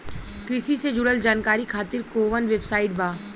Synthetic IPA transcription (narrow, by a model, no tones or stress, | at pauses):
kɾɪsised͡ʒʊɽəld͡ʒaːnkaːɾikʰaːt̪ɪɾkoːʋənʋeːbsaːɪʈ̚bʱaː